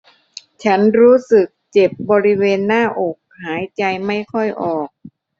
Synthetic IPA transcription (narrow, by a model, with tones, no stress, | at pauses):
t͡ɕʰa˦˥nɾuː˦˥sɯ˨˩k̚t͡ɕe˨˩p̚bɔː˧ɾi˦˥weː˧nːaː˥˩ʔo˨˩k̚haː˩˦jt͡ɕa˧jma˥˩jkʰɔ˥˩jʔɔː˨˩k̚